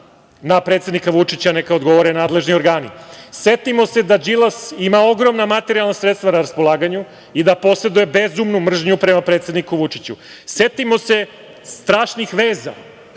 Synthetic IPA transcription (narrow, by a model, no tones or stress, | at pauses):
napɾet̪se̞d̪nikaʋut͡ʂit͡ɕanekaod̪ɡo̞ʋoɾenaːd̪le̞ʒnioɾɡaːnise̞t̪imo̞se̞d̪ad͡ʒilˠasimao̞ɡɾo̞mnamat̪e̞ɾialˠnasɾet̪st̪vʋanaɾaspo̞lˠaːɡaɲu | id̪apo̞se̞d̪uje̞be̞zumnumr̩ʒɲupɾemapɾe̞ːt̪se̞d̪nikuʋut͡ʂit͡ɕu | se̞t̪imo̞se̞ | st̪ɾaːʃnixʋe̞ːza̰